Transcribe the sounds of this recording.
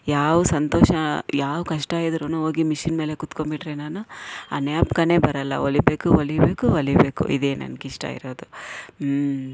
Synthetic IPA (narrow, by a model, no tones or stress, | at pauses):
jaːʋusɐnt̪oːʃɐjaːʋkɐʂʈajid̪ɾunuoːɡimiʃinme̞ːle̞kut̪kombiʈɾenaːnuɐ̰njaːpkɐne̞bɐɾɐlːɐ̰olibe̞ːkuolibe̞ːkuɐlibeːkṵʔḭd̪eːnɐ̰nkiʂʈɐ̰ḭɾoːd̪u